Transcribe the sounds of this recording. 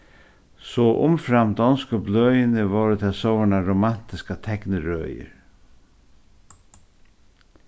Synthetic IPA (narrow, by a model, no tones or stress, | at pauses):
sɔʔʊ̰mfɾamd̪ɔnskɔblœːjɪnɪvɔːɾɪt̪ʰaːsowaɳaɾoman̥t̪ɪskat̪ʰɛknɪɾœ̰ːjɪ̰ɾ